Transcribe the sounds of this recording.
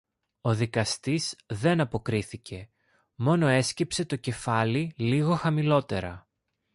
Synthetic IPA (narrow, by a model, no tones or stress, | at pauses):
o̞ðikɐst̪izðe̞nɐpo̞kɾiθice̞ | mo̞no̞e̞scepse̞t̪o̞ce̞fɐliliɣo̞xɐmilo̞t̪e̞ɾɐ